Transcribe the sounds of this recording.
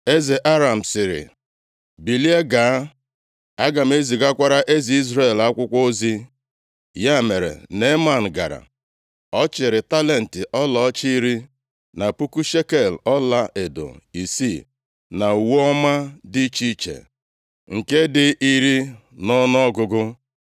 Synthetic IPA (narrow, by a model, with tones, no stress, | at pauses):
e˦ze˨ʔa˦ɾa˨m̩˨sɪ˨ɾɪ̰˨ | bi˨li˦e˦ɡa˨˦ | a˦ɡa˨m̩˨˦e˦zi˨ɡa˦kʷa˦ɾa˦ʔe˦zi˨i˦zɾe˦˨la˦kʷʊ˦kʷo˦zi˦ | ja˦˨me˨ɾḛ˨ne˦ma˦˨n̩˨ɡa̰˨ɾa̰˨ | ɔ˦t͡ʃɪ˨ɾɪ˨ta˦le˨n̩˨tɪ˨ʔɔ˦lɔ˨˦t͡ʃi˦i˦ɾi˦ | na˨pu˦ku˦ʃe˦ke˨lɔ˦la˦ʔe˨do̰˨i˨si˦˨ | na˨u˨wɔ˦ma˦di˦t͡ʃi˦t͡ʃḛ˨ | ŋ̩˨ke˦dɪ˦ʔi˦ɾi˦ | nɔ˦n˦ɔ˦ɡʊ˨ɡʊ˦